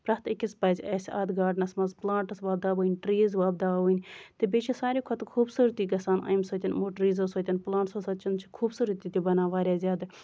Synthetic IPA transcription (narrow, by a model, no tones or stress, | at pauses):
pɾɐt̪ikispɐːzʲɛːsʲa̰ːd̪ɡaːɖnɐsmɐzplãːɳʈɐsʋaːb̚d̪aːbuːnʲʈɾiːzʋaːbd̪aːbunʲt̪ebeːt͡ʃʰisaːɾiːkʰot̪kʰuːbsuːɾt̪iːɡɐsaːna̰ːjmsot̪ʲɐnmoːʈɾiːzosoːt̪ʲɐnplãːɳʈsosɐt͡ʃint͡ʃʰi̥kʰuːbsuːɾət̪it̪ʲibɐnaːʋaːɾʲaːzʲjaːd̪ɐ